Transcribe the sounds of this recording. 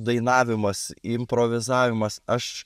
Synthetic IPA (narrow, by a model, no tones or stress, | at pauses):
d̪ɐɪnɑːʋʲɪmɐsɪmʲpɾoːʋʲɪzɑːʋʲɪmɐsɐʃ